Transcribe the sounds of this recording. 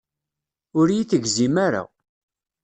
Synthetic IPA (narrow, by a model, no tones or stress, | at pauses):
ʊɾjiθəɡzimaɾa̰